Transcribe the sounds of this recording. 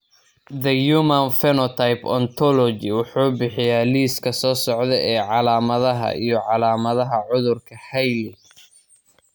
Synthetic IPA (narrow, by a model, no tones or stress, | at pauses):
ðɐjumɐnfɛnɔt̪ʰajpɔ̰nt̪ʰɔlɔd͡ʒɪwʊħuːbɪħɪjaːliːskʰɐsɔːsɔʕðɛʔɛːʕɑlaːmɐðɐɦɐ̰ʔḭjɞʕɑlaːmɐðɐɦɐʕʊðʊrkʰɐhɛjlɪ